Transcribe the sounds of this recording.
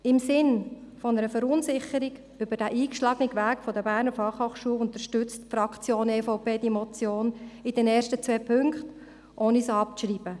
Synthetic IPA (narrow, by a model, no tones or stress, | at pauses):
ɪmsɪnfɔnəɾəfəɾʊnzɪχəɾiɡ | ʏbəd̥æʔiːkʃlɑːɡəniɡʋæːkfɔd̪əbæːɾnəfɑχhoːχʃuəlʊnt̪əɾʃtʏt͡stfrɑkt͡sjoːneːfaʊpeːd̥imɔt͡sjoːnɪd̥ɛnɛːɾʃtət͡sʋɛːpʰʏŋkχt | ʔoːnisɑp̚t͡sʃriːbə